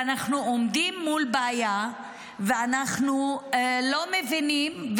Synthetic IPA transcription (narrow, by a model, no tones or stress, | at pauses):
anaχnuomd̪imːulbeaja | veanaχnulo̞mevinimv